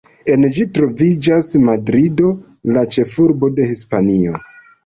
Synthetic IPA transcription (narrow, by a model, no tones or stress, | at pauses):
e̞nd͡ʒitɾo̞vid͡ʒasmadɾido̞ | lat͡ʃe̞fuɾbo̞de̞hispanio̞